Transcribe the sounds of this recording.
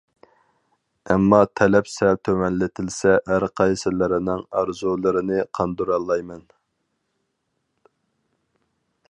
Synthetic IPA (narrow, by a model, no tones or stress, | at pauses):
ɛmːɑt̪ʰɛlɛpsɛlt̪ʰømɛnlɪt̪ʰɪlsɛæɾqʰɑjsɪlɪɾɪnɪŋɑɾzulˠɨɾɨnɪqʰɑnd̪uɾɑlˠːɑjmɛn